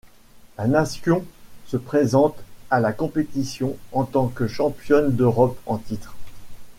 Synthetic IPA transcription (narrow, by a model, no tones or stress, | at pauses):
lanasjɔ̃səpχezɑ̃t̪alakɔ̃pet̪isjɔ̃ɑ̃t̪ɑ̃kəʃɑ̃pjɔnd̪øʁɔpɑ̃t̪it̪χ